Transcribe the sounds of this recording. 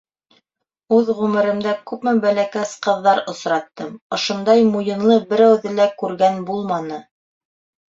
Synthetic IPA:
ʉðʁʉmɘ̆ɾɘ̆md̪ækʉpmɘbælækæsqɤ̆ðːɑɾŏsɾɑt̪ːɤmŏʃŏnd̪ɑjmujɤ̆nlˠɤbɘ̆ɾæwðɘlækʉɾɡænbulˠmɑnɤ

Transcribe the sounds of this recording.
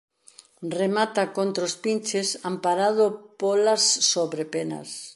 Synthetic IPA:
remat̪akont̪ɾospint͡ʃesampaɾað̞opolasːoβɾepenɐ̰s

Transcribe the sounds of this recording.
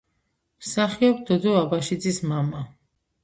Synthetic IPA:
msaχiɔb̚d̪ɔd̪ɔabaʃid̪zismama

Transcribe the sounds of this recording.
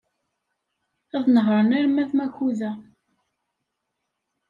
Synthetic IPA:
æðnəɦɾˤənæɾmæðmækuðæ

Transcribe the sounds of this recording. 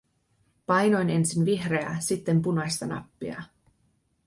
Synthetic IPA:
pɑjno̞jne̞nsinʋiɦre̞æsit̪ːe̞mpunɑst̪ɑnɑ̰pːiɑ̰

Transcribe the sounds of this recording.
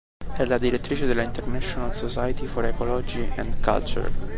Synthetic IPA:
ɛlad̪iɾet̪ːɾit͡ʃed̪ɛlaint̪ernɛʃonalsosajt̪ifɔɾekɔlɔd͡ʒiʔɛ̃nd̪ka̰lt͡ʃṵɾ

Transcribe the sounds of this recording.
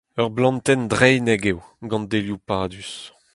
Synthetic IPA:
œʁblɑ̃nt̪ɛnd̪ʁɛjnɛɡewɡɑ̃nd̪eljupaːd̪ys

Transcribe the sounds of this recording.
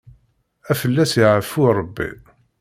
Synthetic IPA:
æfəlːæsjiʕəfːuɾˤəbːḭ

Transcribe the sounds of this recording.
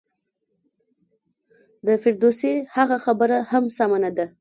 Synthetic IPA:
d̪əfɪɾd̪osehaɣaxabəɾahamsamanad̪a

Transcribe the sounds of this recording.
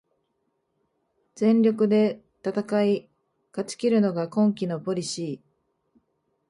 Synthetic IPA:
d͡zẽ̞nɾʲo̞kɯ̟d̪e̞ | t̪at̪akai | kat͡ɕɨ̥kʲiɾɯ̟no̞ɡakõ̞ŋkʲino̞po̞ɾʲiɕiː

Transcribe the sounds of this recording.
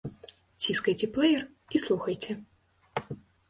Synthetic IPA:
tʲiskɐjtʲɪplˠɛjər | islˠuxəjtʲɪ

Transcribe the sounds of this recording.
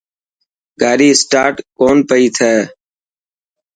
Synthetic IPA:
ɡaːɾiːsʈaːɾʈkoːnpəiːt̪ʰɛː

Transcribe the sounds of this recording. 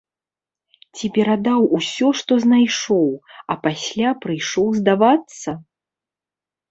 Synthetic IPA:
t͡sʲipʲɛɾad̪awusʲɔʂt̪ɔznajʂɔwɐpasʲlʲapɾɨjʂɔwzd̪avat̪sɐ

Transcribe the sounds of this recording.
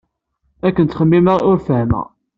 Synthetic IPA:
ækːənt̪χəmːiməʁʊɾfəhmə̰ʁ

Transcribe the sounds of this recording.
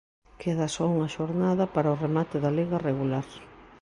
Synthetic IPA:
kʰeðɐsɔuŋɐʃoɾnaðɐpaɾaʊremat̪ɪðaleɣɐreɣulaɾ

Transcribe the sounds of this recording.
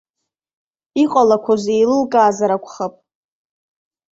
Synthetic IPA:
iqʼalakʷʰazejlɨlkʼaːzaɾakʷʰʼχapʼ

